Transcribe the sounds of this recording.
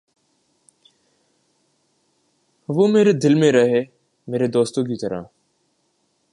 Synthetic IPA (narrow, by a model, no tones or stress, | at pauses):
ʋoːmeːɾeːd̪ɪlmẽɾəɦeː | meːɾeːd̪oːst̪õːkit̪əɾa̰ː